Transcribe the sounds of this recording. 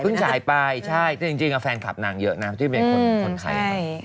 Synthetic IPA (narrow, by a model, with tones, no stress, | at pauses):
ɯ˥˩t͡ɕʰaː˩˦jpa˧jt͡ɕʰa˥˩jt̪ːt͡ɕi˧ŋt͡ɕi˧ŋʔa˧fɛː˧nkʰa̰˨˩p̚na˨˩˦ŋjɤ˦˥ʔna˦˥˧i˥˩pe˧nko˧˩˦ŋko˧˨˧nt̪ʰa̰˧j